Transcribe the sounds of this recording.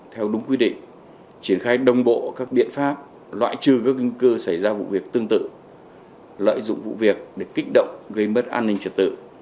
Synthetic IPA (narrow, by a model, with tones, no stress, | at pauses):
t̪ʰɛ˧wɗʊ˨˦ŋ͡mkwi˧ɗḭ̈˧˨ŋ̟ | t͡ɕi˧˩ənxaː˧jɗə˨˧wŋ͡mɓo̰˧˨kaː˦˥k̚ɓḭ˧˨ənfaː˦˥p̚ | lwa̰ː˧˨jt͡ɕɨ˨˩kəː˧˦˥k̚ːi˧ŋ̟kɨ˧sə˧˩jzaː˧vṵ˧˨vi˨˩ək̚t̪ɨ˧əŋt̪ɨ̰˧˨ | lə̰ː˧˨jzʊ̰˧˨ŋ͡mvṵ˧˨vi˨˩ək̚ɗe˧˩kï˦˥k̟̚ɗə̰˧˨wŋ͡mɣə˧jmə˦˥t̚ʔaː˧nːï˧ŋ̟t͡ɕə˨˩t̚t̪ɨ̰˧˨